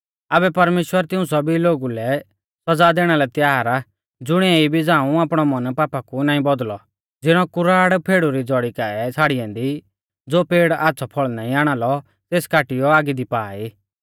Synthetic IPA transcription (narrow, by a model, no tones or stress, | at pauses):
aːbɛpɐɾmeːʃwəɾt̪ɪũsɐbiloːɡulɛ | sɐd͡zad̪eːɽ̃alɛt̪jaːɾa | d͡zʊɽ̃iɛibid͡zaːũaːpɽ̃ɔmɐnpaːpakunãːĩbɔd̪lɔ | d͡zɪɽ̃ɔkʊɾaːɽpʰeːɽuɾid͡zɔɽikaɛt͡sʰaːɽɪjɛ̃nd̪i | d͡zoːpeːɽaːtːsʰɔpʰɔɭnãːĩaːɽ̃aːlɔ | t̪eːskaːʈɪjɔaːɡid̪ipaːiː